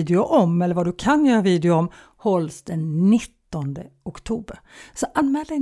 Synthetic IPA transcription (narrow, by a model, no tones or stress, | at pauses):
d̪ɪʊʔɔmɛlːəɾvad̪ɵkʰanjœːɾaviːd̪ɪʊɔm | hɔlsd̪ɛnːɪt̪ːɔnd̪əʊkt̪ʰuːbəɾsɔʔanmɛːld̪ɛ